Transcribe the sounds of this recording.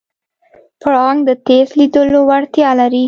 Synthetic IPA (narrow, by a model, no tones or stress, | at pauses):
pʊɽɑŋɡd̪ət̪ezlid̪əlowaɽt̪jɑlaɾi